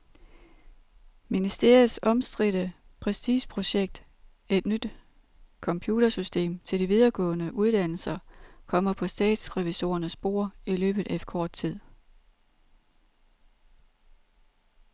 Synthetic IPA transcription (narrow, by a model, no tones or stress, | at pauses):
minisd̥e̝ɐ̰ið̩ˠsɒ̽msd̥ʁiɾ̥əpʰʁɛsd̥ḭːɕpʰʁo̝ɕeɡ̥̚d̥ | e̝d̥nyd̥ | kʰɒ̽mpʰjuːɾ̥ɐsysd̥e̝̰ːmt͡sʰe̝ld̥iʋið̞ˠɐɡ̥ɔ̰̽ːnəʔuð̞ˠd̥æn̰l̩sɐkʰɒ̽m̰ɐpʰɒ̽sd̥ɛ̰ːd̥sʁɛʋiso̝̰ːɐnəsb̥o̝̰ːɐ̰ilø̰ːb̥ð̩ˠʔæefkʰɒːd̥̚t͡sʰið̰ˠ